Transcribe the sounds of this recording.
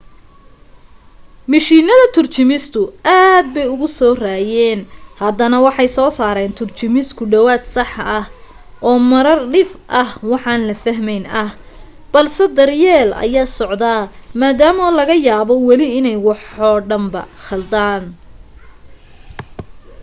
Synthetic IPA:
mɪʃiːnɐðɐt̪ʰʊrt͡ʃɪmɪst̪ʰʊaːd̪̚bɛjʊɣʊsɔːraːjɛːnhɐd̪ɐnɐwɑħɑjsɔːsaːɾɛːnt̪ʰʊrt͡ʃɪmɪskʰʊɖɐwaːt̪sɑħɐh | ʔɔːmɐɾɐrɖɪfʔɐhwɑħɑːnlɐfɐɦmɛjnɐh | b̥ɐlsɛd̪ɐrjɛːlʔɐ̰jaːsɔʕd̪amaːd̪aːmɔlɐɣɐjaːβɔwɛlɪɪnɛjwɑħɔːɖɐmbɐ̰χɐld̪aːn

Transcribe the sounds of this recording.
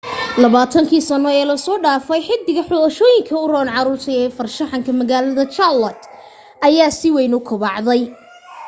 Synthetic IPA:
lɐβaːt̪ʰɐŋkʰiːsɐnɔɛːlɐsɔːɖaːfɛjħɪd̪ɪɣɐħʊʃɔːjɪŋkʰɐʊrɔːnʕɑɾuːrt̪ʰɐɛːfɐrʃɐħɑŋkʰɐmɐɣaːlɐðɐt͡ʃɐlɐt̪ | ʔɐjaːsɪwɛjnʊkʰʊβɑʕðɛj

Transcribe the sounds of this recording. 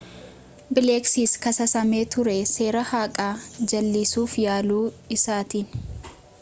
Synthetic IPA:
bɪleːksiːskɐsɐsɐme̞ːt̪ʊɾɛseːɾɐhaːkʼaːd͡ʒɐlːiːsuːfjaːluː | ɪsaːt̪iːn

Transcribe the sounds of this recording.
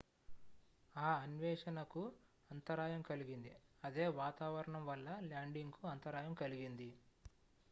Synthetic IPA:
aːɐnʋɛːʂɐnɐku | ɐnt̪ɐɾaːjɐmkɐliɡind̪iɐd̪e̞ːʋaːt̪aːʋɐɾɐɳɐmʋɐlːɐlaːɳɖiŋɡkuɐnt̪ɐɾaːjɐmkɐliɡind̪i

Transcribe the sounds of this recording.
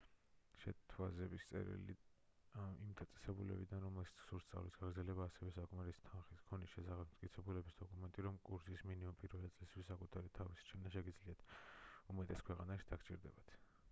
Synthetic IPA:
ʃɛt̪ʰwazɛbist̪sʼɛ̰ɾḭlḭ | imd̪ʰat̪sʼɛ̥sɛbulɛ̰bid̪anɾɔmɛlʃi̥t̪sʰsuɾst̪sʼa̰vlisɡaɡɾd̪zɛlɛbaːsɛvɛsakʼmaɾist̪ʰanχiskʰɔnisʃɛsaχɛb̚ʰmt̪kʼit̪sʰɛbulɛbisd̪ɔkʼumɛnt̪ʼiɾɔmkʼuɾsisminimumpʼiɾvɛlɛt̪sʼlist̪wisːakʼut̪ʰaɾit̪ʰavisi̥t͡ʃʰɛnaʃɛɡid̪zliat̪ʰumɛt̪ʼɛskʰwɛqʼanaʃid̪̥akʰt͡ʃʼḭɾd̪ɛbat̪ʰ

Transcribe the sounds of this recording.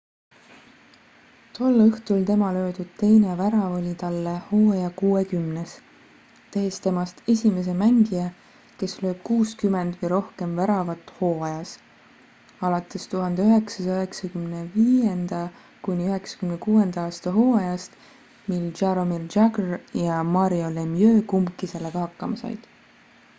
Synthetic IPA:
t̪o̞lːɯht̪ult̪e̞mɑlø̞ːd̪̥ud̪̥̚t̪e̞jnevæɾɑolʲit̪ɑlːeho̞ːɑjɑkuːe̞kymnes | t̪e̞ːst̪e̞mɑst̪e̞sʲime̞s̬emæŋɡijɑ | ke̞slø̞ːb̥̚kuːskyme̞nd̪̥vɤjɾo̞hke̞mvæɾɑvɑt̪ːˑho̞ːɑjɑs | ɑlɑt̪ːˑe̞st̪uɦɑnd̪eyɦeksɑsøɦeksɑkymne̞viːjend̪̥ɑ | kunʲiyɦe̞ksɑ̥kymnekuːe̞nd̪̥ɑɑːst̪ɑɦo̞ːɑjɑst̪ | mild͡ʒɑɾomild͡ʒɑɡrjɑmɑɾio̞lemjø̞ːkumkːˑiselːeɡ̥ɑhɑkːɑmɑsɑ̰jd̪̥

